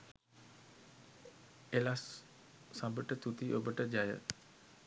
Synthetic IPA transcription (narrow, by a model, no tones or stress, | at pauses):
elasː | ãbəʈət̪ut̪iʔobəʈəd͡ʒajə̰